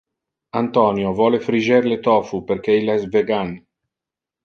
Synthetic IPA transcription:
ant̪ɔːnjovɔːlefɾid͡ʒeɾlet̪ɔːfuperkeilːaɛsveɡan

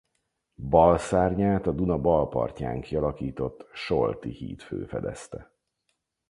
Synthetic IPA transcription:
bɒlsaːrɲaːt̪ɒd̪unɒbɒlpɒ̰rca̰ːŋkiɒlɒkiːt̪o̞t̪ːʃolt̪ihḭːt̪fø̰ːfɛd̪ɛst̪ɛ

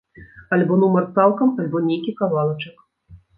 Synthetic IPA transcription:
alʲbɔnumɐrt̪salˠkɐmalʲbɔnʲejkʲikavalˠɐt͡ʂɐk

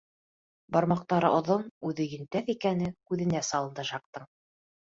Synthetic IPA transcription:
bɑɾmɑq̚t̪ɑɾɤʔŏðonʉðɘjɘ̆nt̪æθikænɘkʉðɘ̆næsɑlˠɤ̆nd̪ɤʃɑq̚t̪ɤɴ

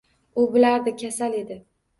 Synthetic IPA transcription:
ʊbɪlaɾd̪ɪkʲʰasale̞d̪ɪ

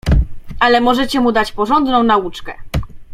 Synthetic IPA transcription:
ʔalɛmɔʐɛt͡ɕɛmud̪at͡ɕpɔʐɔnd̪nɔ̃w̃naut͡ʂkɛ

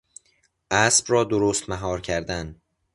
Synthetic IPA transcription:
ʔæsb̥rɒːd̪oɾoːst̪mæɦɒːɾcʰæɾd̪æn

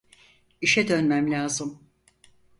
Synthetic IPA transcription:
iʃɛd̪ø̞nmæmlʲaːzɯm

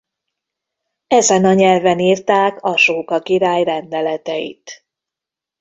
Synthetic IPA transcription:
ɛzɛnɒɲɛlvɛniːrt̪aːkɒʃoːkɒkiɾaːjrɛnd̪ɛlɛt̪ɛjḭt̪

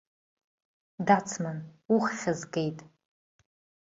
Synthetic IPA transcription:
dat͡sʰmanuχχʲazɡe̞jtʼ

